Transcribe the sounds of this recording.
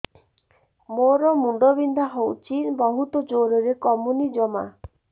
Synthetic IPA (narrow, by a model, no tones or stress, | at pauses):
moɾɔmuɳɖɔbind̪ʱaɦowt͡ʃinbɔɦut̪ɔd͡ʒoɾɔɾekɔmunid͡ʒɔma̰